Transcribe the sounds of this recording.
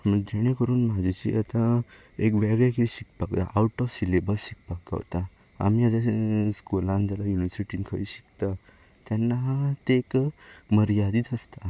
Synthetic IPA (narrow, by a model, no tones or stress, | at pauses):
məd͡ʑɛɽ̃ekəɾuːnmad͡ʑit͡ɕḭʔat̪ã | ekʋɛɡɭjakiiɕik̚pakt̪a̰ʔawʈɔfsilebəlɕik̚pakka̰ʋt̪a | a̰miad͡ʑ̪askolãnd͡zalajuniʋəɾsiʈinikʰəiɕi̥kt̪a | t̪jɛnːaɦt̪ekməɾjad̪iːt̪əst̪a